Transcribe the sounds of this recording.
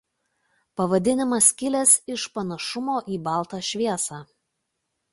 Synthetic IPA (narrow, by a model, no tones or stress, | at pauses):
pɐʋɐd̪ʲɪnʲɪmɐskʲɪlʲɛsɪʃpɐnɐʃʊmoːʔiːbɑˑlˠt̪ɑʃʲʋʲiɛsɑː